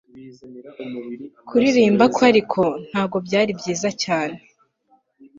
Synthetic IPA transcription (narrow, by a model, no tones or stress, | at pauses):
kʰuɾiɾiːmbakwaɾikʰo̞n̥haːb̚ɡo̞bɟaːɾibɟiːzacaːne̞